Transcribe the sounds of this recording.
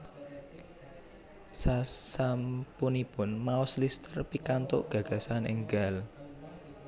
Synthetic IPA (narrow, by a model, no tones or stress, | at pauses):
sasampunipʊnmaʊslist̪ərpikant̪oʔɡ̥ä̤ɡ̥ä̤sanɪ̰ŋɡal